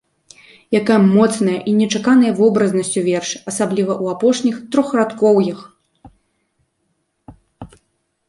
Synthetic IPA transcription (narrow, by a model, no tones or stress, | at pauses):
jakajɐmɔt̪snɐjɐʔinʲɛt͡ʂakanɐjɐvɔbɾɐznɐsʲt͡sʲuvʲɛrʂɐsablʲivɐʔuapɔʂnʲixt̪ɾɔxrat̪kɔwjix